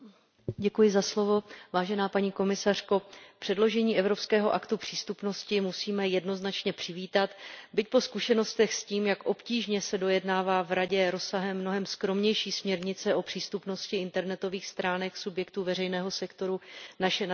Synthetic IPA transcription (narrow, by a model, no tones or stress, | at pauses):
ɟɛkujɪzaslo̞vo̞vaːʒɛnaːpaɲiːko̞mɪsar̥ko̞pr̝̥ɛdlo̞ʒɛɲiːʔɛvɾo̞pskɛːɦo̞ʔakt̪upr̝̥iːst̪upno̞scɪmusiːmɛjɛdno̞znat͡ʃɲɛpr̥ɪviːt̪at̪bɪc̚po̞skuʃɛno̞st̪ɛxsciːmjakʔo̞pciːʒɲɛsɛdo̞jɛdnaːvaːvɾaɟɛɾo̞saɦɛmːno̞ɦɛmskɾo̞mɲɛjʃiːsmɲɛɾɲɪt͡sɛʔo̞pr̝̥iːst̪upno̞scɪɪnt̪ɛɾnɛt̪o̞viːxst̪ɾaːnɛksubjɛkt̪uːvɛrɛjnɛːɦo̞sɛkt̪o̞ɾunaʃɛ